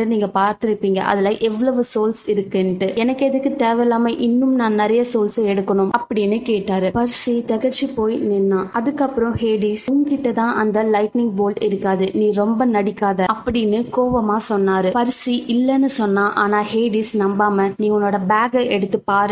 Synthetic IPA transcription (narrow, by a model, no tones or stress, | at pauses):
ɐniːŋɡɐpaːɾt̪ɪɾɯpːiːŋɡɐ̰ʔɐ̰ðɐlɐːʔɛʋːɐɭɐʋɯsoːlsɪɾɯkːenʈːɯɛnɐkːɯɛðɯkːɯt̪eːʋɛlaːmɐʔɪnːɯmnãːnɪɾɐjɐsoːlsɐɛɽɯkːɐɳʊmʔɐpːɐɽɪnːɯkeːʈːaːɾɯpɐɾɪsit̪ɐɣɐɾt͡ʃːɯpoːjnɛnːãːʔɐðɯkːɐpːɯɾɔ̃heːɖisʊŋkɪʈːɐt̪ãːʔɐnd̪ɐlɐɪʈnɪŋɡ̚boːlʈɪɾɯkːaːðɯnĩːɾɔmbɐnɐɽɪkːaːðɐɐpːɐɽɪnːɯkoːʋɐmaːsɔnːaːɾɯpɐɾɯsiʔɪlːɛnːɯsɔnːãːʔaːnaːheːɖisnɐmbaːmɐniːŋɡɐʊnːoːɽɐbaːɡɐʔɛɽɯt̪ːɯpaːɾɯ